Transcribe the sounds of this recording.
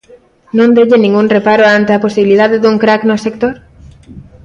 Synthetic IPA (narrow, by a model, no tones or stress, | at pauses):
nõnd̪eʎɪnĩŋɡuŋrepaɾoant̪eaposiβilið̞aðeðuŋkɾaknosek̚t̪oɾ